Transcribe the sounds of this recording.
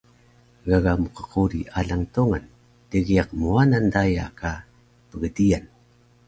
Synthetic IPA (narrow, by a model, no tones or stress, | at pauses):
ɣaɣamuqə̥quɾiʔaɮaŋtuŋan | təɣiaqmuanandaja̰ka | pəɡədijan